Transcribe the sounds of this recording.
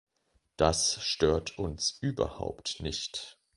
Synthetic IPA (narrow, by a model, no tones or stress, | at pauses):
d̥asʃtøːɐtʰʊnsʔyːbɐ̰ha̰ʊptnɪçt